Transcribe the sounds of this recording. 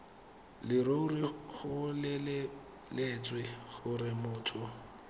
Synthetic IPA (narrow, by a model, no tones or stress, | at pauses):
lɪɾoʊrɪχʊlɪ | let͡sʼwɪɣʊrɪmʊːtʰʼʊ